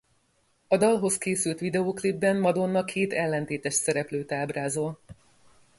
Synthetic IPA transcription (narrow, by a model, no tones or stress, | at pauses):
ɒd̪ɒlɦo̞skeːsylt̪ʋid̪ɛoːklibːɛnmɒd̪o̞nːɒkʰeːt̪ɛlːɛnt̪eːt̪ɛʃsɛɾɛpløːt̪aːbraːzol